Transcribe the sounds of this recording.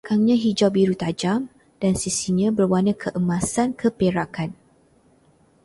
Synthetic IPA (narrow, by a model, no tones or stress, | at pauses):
kaŋɲãɦid͡ʒabiɾut̪ad͡ʒam | d̥ansisiɲãbərwanə̃kʰəʔəmãsankʰəpeɾakan